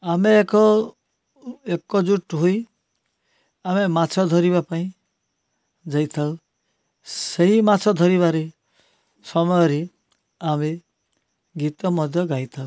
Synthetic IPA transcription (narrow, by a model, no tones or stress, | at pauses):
ameːkɔ | ekɔd͡ʒuʈɦoi | amemat͡ʃʰɔd̪ʱɔɾiβapaĩ | d͡ʒajt̪ʰaũ | seɦimat͡ʃʰɔd̪ʱɔɾiβaɾe | sɔmɔjɔɾi | ame | ɡit̪ɔmɔd̪ʱjɔɡaijt̪ʰaũ